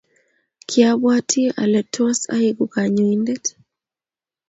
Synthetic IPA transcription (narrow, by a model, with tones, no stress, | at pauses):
kʰja˦bwa˦tʰi˦a̰˨lɛ˨tɔ˦sa̰˦i˨ɡo˨ka˨ɲo˨i˦ndɛ˦t